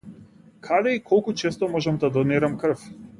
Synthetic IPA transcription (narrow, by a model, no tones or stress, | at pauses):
kʰad̪ɛikʰɔlˠkut͡ʃɛst̪ɔmɔʒɛmd̪ad̪ɔniɾamkr̩f